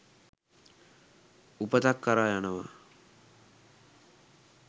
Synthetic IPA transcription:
upət̪akːaɾaːjanəʋa̰

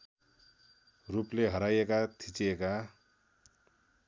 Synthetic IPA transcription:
rupleɦʌɾajekat̪ʰit͡sieka

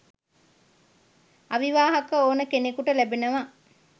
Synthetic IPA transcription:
ɐʋiʋaːɦɐkəoːnəkenekuʈɐlæbenɐʋa

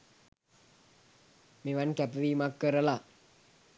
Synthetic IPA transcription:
meʋankæpəʋimakːəɾəla

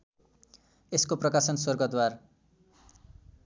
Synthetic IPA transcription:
eskoprʌkasʌnswʌrɡʌt̪war

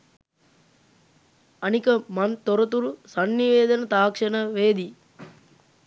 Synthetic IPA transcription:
ɐnikɐmɐnt̪ɔɾɐt̪uɾusɐnːiʋeːd̪ɐnɐt̪aːkʂɐnɐʋeːd̪i

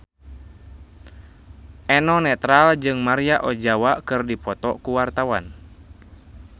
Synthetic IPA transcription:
ʔɛnɔnɛt̪ɾald͡ʒɨŋmaɾiaʔɔd͡ʒawakɨrdipɔt̪ɔkuwart̪awa̰n

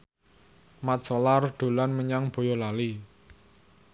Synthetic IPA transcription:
mat̪̚sɔlarɖ̪̥o̤lanməɲaŋb̥o̤jɔlali

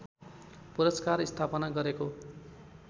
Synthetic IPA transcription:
puɾʌskarist̪ʰapʌnaɡʌɾeko

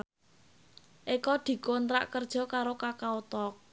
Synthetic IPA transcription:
ʔikɔd̪̥i̤kont̪ɾa̰ʔkərd̥ʒ̥ɔ̤kaɾokakaot̪ɔk̚

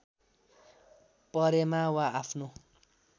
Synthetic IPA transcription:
pʌɾemawaːpʰno

